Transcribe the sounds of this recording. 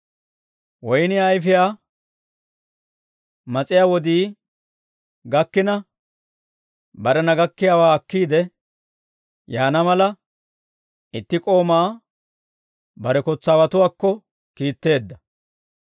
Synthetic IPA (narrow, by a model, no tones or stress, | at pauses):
wɔjnɪɐjfɪjaː | mɐt͡sʼɪjaːwɔd̪iː | ɡɐkːɪnɐ | bɐɾɛnɐɡɐkːɪjaːwaːɐkːiːd̪ɛ | jaːnɐmɐlɐ | ɪt̪ːɪkʼo̞ːmaː | bɐɾɛkɔt͡sːaːwɐt̪ʊwaːkːɔ | kiːt̪ːe̞ːd̪ːɐ